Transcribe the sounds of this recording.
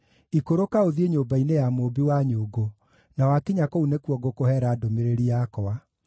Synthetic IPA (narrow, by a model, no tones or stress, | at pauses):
ikoɾokaoðieɲoːbainejamoːbiwaɲoːɡo | nawakiɲakounekuɔɡokohɛɾaːdomeɾeɾiakɔwa